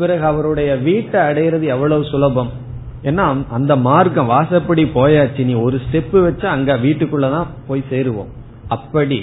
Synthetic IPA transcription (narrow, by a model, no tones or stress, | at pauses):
pɪɾɐɣɯɐʋɐɾɯɽɐjɐʋiːʈːɐːɽɐjɪɾɐðɯɛʋːɐɭɐʋɯsʊlɐbɐm | ɛnːaʔɐnd̪ɐmaːɾkɐ̃mʋaːsɐpːɐɽipoːjaːt͡ʃːiniːɔɾɯsʈɛpːɯʋɐt͡ʃːaɐŋɡeːʋiːʈːɯkːɯɭːɐt̪ãːpoːjseːɾɯʋõ̰ːm | ɐpːɐɽi